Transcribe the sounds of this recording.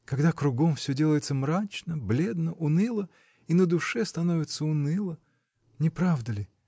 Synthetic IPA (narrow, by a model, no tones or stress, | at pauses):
kɐɡd̪akɾʊɡo̞mfsʲɵdʲe̞lˠəjɪt̪səmɾat͡ɕnəblʲe̞d̪nəʔʊnɨlˠə | inəd̪ʊʂɛst̪ɐnovʲɪt̪səʊnɨlˠə | nʲɪpɾavd̪əlʲɪ